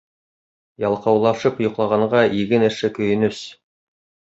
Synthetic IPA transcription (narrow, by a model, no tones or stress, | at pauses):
jɑlˠqɑwlˠɑʃɤp̆jŏqlˠɑʁɑɴʁɑʔiɡɘnɘ̆ʃɘkɵ̆jɘ̆nɵs